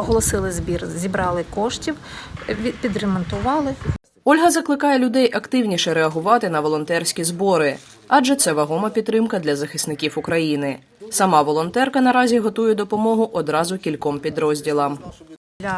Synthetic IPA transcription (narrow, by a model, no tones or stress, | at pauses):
ɔɦɔlˠɔsɪlˠɪzʲbʲirzʲibɾɑlˠɪkɔʃtʲiwʲ | pʲid̪remɔnt̪ʊʋɑlˠɪ | ɔlʲɦɐzɐklˠɪkɑjɛlʲʊd̪ɛjʔɐkt̪ɪwnʲiʃɛɾɛɐɦʊʋɑt̪ɪn̪ɐʋɔlˠɔnt̪ɛrsʲkʲizbɔɾɪ | ɑʒɛt̪sɛʋɐɦɔmɐpʲit̪ːɾɪmkɐd̪lʲɐzɐxɪsnɪkʲiwʊkɾɐjinɪ | sɐmɑʋɔlˠɔnt̪ɛrkɐnɐɾɑzʲiɦɔt̪ujɛd̪ɔpɔmɔɦʊʔɔd̪ɾɑzʊkʲilʲkɔmpʲid̪ɾɔzʲdʲilˠɐmʲ